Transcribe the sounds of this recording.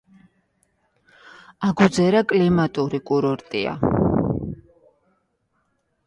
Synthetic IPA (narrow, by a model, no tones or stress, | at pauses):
aɡud̪zɛɾakʼlimat̪ʼuɾikʼuɾɔɾt̪ʼia̰